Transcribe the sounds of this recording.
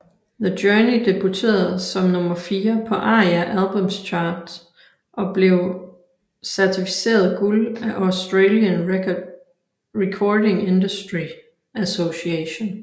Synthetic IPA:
ðəd̥œɐnid̥e̝b̥ut͡sʰe̝̰ːɐð̩ˠsɒ̽mnɔ̽mɐfiːɐpʰɒ̽ʔɑ̈ːæʔælb̥ɔmst͡ɕʰɑ̈ːd̥ | ʔɒ̽b̥le̝ʊ | sæɐt͡sʰifi̥se̝̰ːɐð̩ˠɡ̥ulæʔɒsd̥ʁeːljən | ʁekʰɒːde̝ŋe̝nd̥usd̥ʁi | æso̝siɛɕo̝n

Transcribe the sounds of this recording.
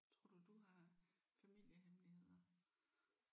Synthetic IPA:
t͡sʰʁo̝ɐ̰d̥ud̥uɦɑ̈ | fæmil̰jəɦemlihe̝ð̰ˠɐ

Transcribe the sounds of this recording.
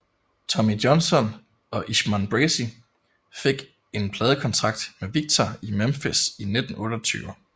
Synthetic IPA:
t͡sʰɒ̽midjɒ̽nsɒ̽n | ɒ̽ʔiɕmænb̥ʁesi | fe̝ɡ̥ | e̝npʰlɛːð̞ˠəkʰɒ̽nt͡sʰʁɑ̈ɡ̥̚d̥meʋiɡ̥̚t͡sʰɒimæmfesined̥n̩ɔ̽ːɾ̥ɒt͡sʰy̰ːʊɐ

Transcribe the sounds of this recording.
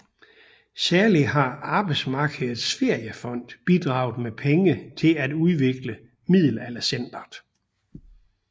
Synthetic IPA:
sæɐliɦɑ̈ɑ̈ːb̥ɑ̈ɪdsmɑ̈ːɡ̥əð̩ˠsfe̝ɐ̰jəfɒ̽n̰d̥b̥id̥ʁɑ̈ʊð̩ˠmepʰeŋət͡sʰe̝læd̥uðˠʋe̝ɡ̥lə | mið̰ˠl̩elɐsen̰d̥ɐd̥

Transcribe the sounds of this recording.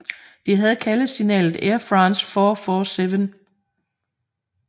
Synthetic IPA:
d̥iɦæð̞̩ˠkʰæləð̩ˠsinɛ̰ːlð̩ˠeɐfʁɑ̈ːnsfɒːfɒseʋən

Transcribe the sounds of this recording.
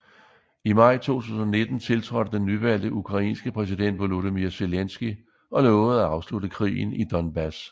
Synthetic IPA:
imɑ̈ɪ̰t͡sʰo̝̰ːt͡sʰṵːsn̩ɒ̽ne̝d̥n̩t͡sʰe̝lt͡sʰʁɒd̥əd̥enːyʋæl̰d̥əʔukʰʁɑ̈ḭːnsɡ̥əpʰʁɛs̬id̥en̰d̥ʋoloðimiɐse̝lensɡ̥i | ɒ̽lɔːʊð̩ˠæɑ̈ʊsluɾəkʰʁḭːn̩id̥ɒ̽nb̥æs

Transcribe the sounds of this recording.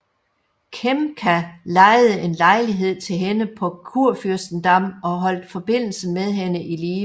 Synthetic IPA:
kʰemkʰælɑ̈ɪðˠəʔe̝nlɑ̈ɪliɦe̝ð̞̰ˠt͡sʰe̝lɦenəpʰɒ̽kʰuɐ̰fyɐsd̥n̩d̥ɑ̈mɒ̽ɦɒ̽l̰d̥fɒ̽b̥e̝n̰l̩səmeðˠɦenəʔiliː

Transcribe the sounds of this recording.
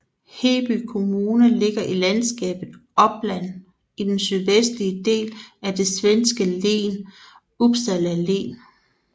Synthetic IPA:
he̝̰b̥ykʰo̝muːnəle̝ɡ̥ɐʔilænsɡ̥ɛ̰ːb̥ð̩ˠɒ̽b̥læn̰ | id̥ensyð̞ˠʋesd̥liəd̥e̝̰ːlæd̥e̝sʋensɡ̥əle̝̰ːn | ub̥sælæle̝̰ːn

